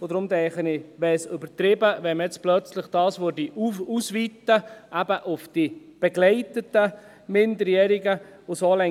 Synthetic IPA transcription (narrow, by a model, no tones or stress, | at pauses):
od̥̪ɾʊmd̪ɛɪχənɪʋɛsʏbətɾɪbəʋɛmɛt͡splœt͡slɪχd̥ɑːsʋødiʔuusʋiːt̪ːəʔæbəʔʊfd̥ib̥ɛɡlɛɪtətə | mɪnd̪əɾjɛɾiɡə | ʊsoːlɛ